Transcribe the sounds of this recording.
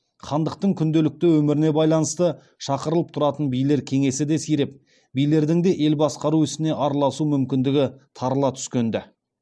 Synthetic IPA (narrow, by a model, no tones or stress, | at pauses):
χʰɑnd̪əq̚t̪əɴkʲʰʏnd̪e̞lɪk̚t̪ɪwɵmɪɾɪne̞bɑjlˠɑnəst̪ə | ʃɑqəɾəlˠəp̚t̪ʰʊɾɑt̪ənbijle̞ɾkʲʰe̞ŋe̞sɪd̪e̞sijɾep̚ | bijle̞ɾd̪ɪŋd̪e̞ʔe̞lbɑsqɑɾuɪsɪne̞ʔɑɾlˠɑsumʏmkʲɪnd̪ɪɡʲɪt̪ʰɑɾəlˠɑt̪ʰʏ̥skʲe̞nd̪ɪ